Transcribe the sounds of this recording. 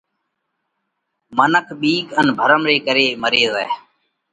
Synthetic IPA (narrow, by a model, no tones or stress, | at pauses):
mənəkʰɓiːkənbʱəɾəmɾeːkəɾeːməɾeːzɛː